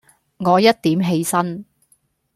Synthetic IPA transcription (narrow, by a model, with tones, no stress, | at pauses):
ŋɔː˨˧jɐ˥t̚t̪iː˨˥mɦe˧jsɐ˥n